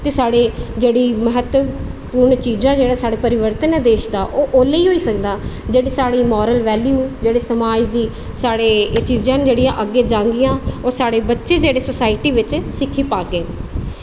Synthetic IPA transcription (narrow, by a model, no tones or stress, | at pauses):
t̪eːsaːɽeːd͡ʒeːɽiːməɦət̪ʋəpuːɾɳt͡ʃiːzãːd͡ʒeːɽaːsaːɽeːpəɾɪʋəɾt̪ənɛːd̪eːʃd̪aːʔoːʔoːleiːɦoːiːsəkd̪aːd͡ʒeːɽiːsaːɽiːmɔːɾəlʋɛːljuːd͡ʒeːɽeːsəmaːd͡ʒd̪iː | saːɽeːt͡ʃiːzãːnːd͡ʒeːɽijãːʔəɡːeːd͡ʒãːŋɡɪjãːoːɾsaːɽeːbətːʃeːd͡ʒeːɽeːsosaːɪʈiːʋɪt͡ʃsɪkʰːiːpaːɡeː